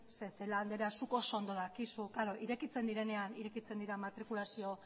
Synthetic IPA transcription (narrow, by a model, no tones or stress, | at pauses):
seseland̪e̞ɾeasuko̞so̞ːnd̪olakisukaɾoʔiɾe̞kit͡se̞nd̪iɾe̞ne̞aniɾe̞kit͡se̞nd̪iɾamat̪ɾikulasio̞